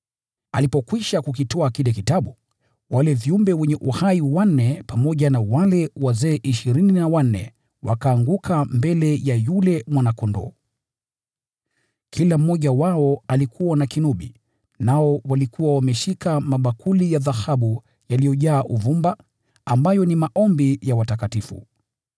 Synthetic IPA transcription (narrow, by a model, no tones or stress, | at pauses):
alipɔkwiʃakukitɔakilɛkitaɓu | walɛviumbɛwɛɲɛʔuhaiwan̩ːɛpamɔʄanawalɛwazɛːʔiʃiɾininawan̩nɛ̰ | wa̰kaːŋɡukʰambɛlɛjajulɛmwanakɔndɔ̰ | kʰilam̩ːɔʄawaɔalikʰuwanakinuɓḭ | naɔwalikuwawamɛʃikamaɓakʰulijaðahaɓu | jalijɔʄaːʔuvumba | ambajɔnimaʔɔmbijawatakatifṵ